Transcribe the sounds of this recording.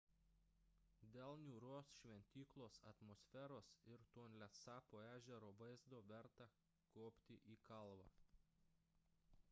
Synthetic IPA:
d̪ʲeːlˠnʲuːɾoːsʃʲʋʲɛnʲt̪ʲiːklˠoːsɐ̰t̪moːsʲfʲɛːɾoːsɪɾt̪oːnʲlʲɛsɑːpoːæːʒʲɛɾoːʋɐɪzd̪oːʋʲɛɾt̪ɑ | koːpʲt̪ʲɪʔiːkɐlˠʋɑ̰

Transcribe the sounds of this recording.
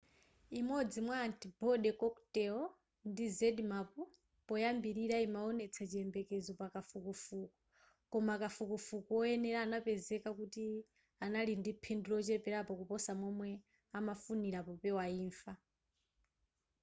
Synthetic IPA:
imɔd͡zimwaːntʰibɔɗɛkɔktɛɔ | ndizɛdmapu | pɔjambiɾiɾaimaɔnɛt͡sʰat͡ʃiɛmbɛkɛzɔpakafukɔfukɔ̥ | kɔmakafukɔfukɔɔɛnɛɾaːnapɛzɛkakuti | analindipʰɛndulɔt͡ʃɛpɛɾapɔkupɔsamɔmwɛ | amafuniɾapɔpɛwaiːɱfa

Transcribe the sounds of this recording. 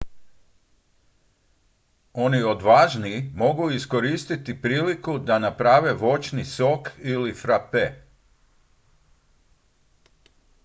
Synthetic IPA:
o̞nio̞d̪ʋaːʒniːmo̞ɡuisko̞ɾiːst̪it̪ipɾiːlikud̪anapɾaːʋe̞ʋo̞t͡ʃniso̞kilifɾape

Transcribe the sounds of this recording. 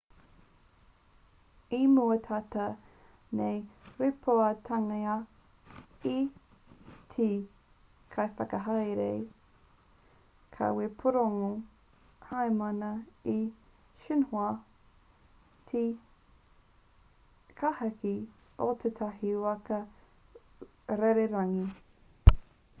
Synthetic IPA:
imuɐtʰat̪ɐ | nejwepʰoɐtʰaŋɐa | i | tʰi | kʰajfɐkɐɦajɾej | kʰa̰wepʰoɾoŋo | hajmɐnɐi | ʃinhoɐ | t̪ʰi | kʰahɐki | ot̪ʰet̪ʰɐhiwɐkɐ | ɾeɾeɾaŋi

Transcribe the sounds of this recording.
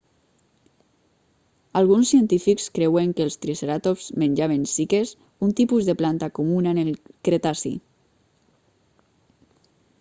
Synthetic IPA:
alɣ̞unsːient̪ifikskɾɛweŋkelˠst̪ɾiseɾat̪ofz̥menʲd͡ʒaβensikes | unt̪ipuzðeplant̪akumunanelkɾet̪asḭ

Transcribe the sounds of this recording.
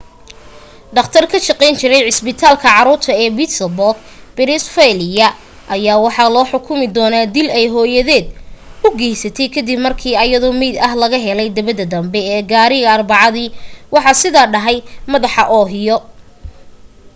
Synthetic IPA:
ɖɑqt̪ʰɐrkʰɐʃɑqɛjnt͡ʃɪɾɛjʕɪsbɪt̪ʰaːlkʰɐʕɑɾuːrt̪ʰɐɛːbɪt̪lbɔrɡ̚ | b̥ɪnɪsfɛlɪjɐ | ʔɐjaːwɑħɑlɔːħʊkʰʊmɪd̪ɔːnaːd̪ɪlɛjɦɔːjɐðɛːd̪̚ʊɡɛːjsɐt̪ʰɛjkʰɐd̪ɪbmɐrkʰiːɐjɐðɔmɛd̪ɐɦlɐɣɐɦɛlɛjd̪ɐβɐðɐd̪ɐmbɛɛːɡaːɾɪɣɐːrbɑʕɑðiːwɑħɑsɪðaːɖɐɦɛjmɐðɑħɑʔɔːɦɪjɔ

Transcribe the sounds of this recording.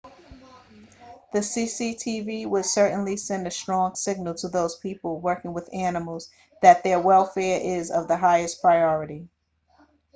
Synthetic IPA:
ðɨsisitʰiviwɪd̥sɜ˞ʔn̩lisɛ̃ndɨstɹ̥ɔ̃ŋsɪɡ̚nl̩ˠtʰəðoʊz̥pʰipl̩ˠwɜ˞kɪ̃ŋwəðænəml̩ˠz | ðɨt̪̚ðə˞wɛlˠfɛɹʔɪzʌvðəɦaɪɨspʰɹ̥aɪɔɹɨɾi

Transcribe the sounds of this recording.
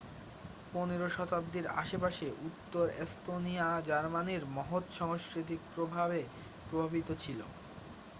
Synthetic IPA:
poneɾoʃɔt̪ab̚d̪iɾa̰ʃepaʃeʔut̪ːoɾest̪oniad͡ʑaɾmaniɾmɔɦot̪ʃɔŋoskɾit̪̬ik̚pɾobʱaβe | pɾobʱabit̪ot͡ɕʰilo̰

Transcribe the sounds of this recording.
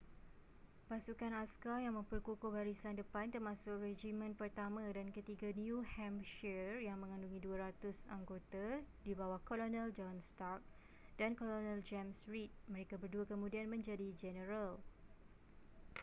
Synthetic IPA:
pasukanaskajaŋmə̃mpərkukobaɾisandəpant̪ərmãsʊkred͡ʒimə̃npərt̪amãdankət̪iɡanjuhɛmʃɛrjaŋmə̃ŋãnduŋĩduaɾat̪ʊsaŋɡot̪adibawahkolonə̃ld͡ʒɔnst̪ark̚ | d̥ankolonɛ̃ld͡ʒɛmsɹit̪̚məɾekabərduakəmũdianmə̃ɲd͡ʒadid͡ʒɛnəɾal

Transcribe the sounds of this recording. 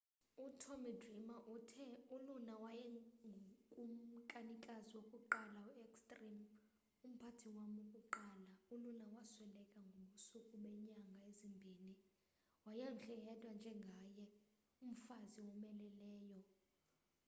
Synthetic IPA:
utʰomidrimaʔutʰɛulunawajɛŋɡʱkʼum̩kʼanikʼaziwokʼuǃalauɛkstʼrim | um̩pʰatʰiwamukʼuǃaːlaulunawaswɛlɛkʼaŋɡʱoɓusukʼuɓɛɲaŋɡʱaezimbʱiːni | wajam̩ɬɛjɛtʼwand͡ʒʱɛŋɡʱajɛ | um̩faziwɔmɛlɛlɛːjɔ

